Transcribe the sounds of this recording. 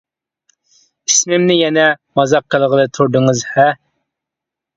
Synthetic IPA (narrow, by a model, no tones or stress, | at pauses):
ismɪmnɪjɛnɛmɑzɑqʰːəlˠʁəlˠɨt̪ʰuɾd̪ɨŋɨzhɛ